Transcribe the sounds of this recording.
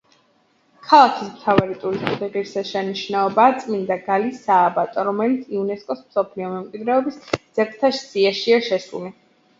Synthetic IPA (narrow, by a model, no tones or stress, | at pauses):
kʰalˠakʰismt̪ʰavaɾit̪ʼuɾist̪ʼuχiʁiɾsɛʃɛniʃnaɔbaːt̪sʼmind̪aɡalisaːbat̪ʼɔɾɔmɛlit̪sʰiunɛskʼɔsmsɔpʰliɔmɛmkʼwid̪ɾɛɔbisd̪z̥ɛkʰt̪ʰaʃsiaʃiaʃɛsṵli